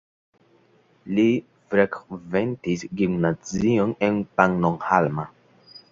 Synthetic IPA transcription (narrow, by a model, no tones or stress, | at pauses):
li | fɾekventisɡimnazionenpaŋnoŋhalma